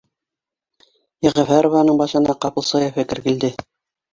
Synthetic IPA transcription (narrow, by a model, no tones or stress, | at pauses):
jĕʁæ̆fæɾŏvɑnɤɴbɑʃɤ̆nɑqɑpɤ̆lˠsɑjefɘ̆kɘ̆ɾɡɘ̆ld̪ɘ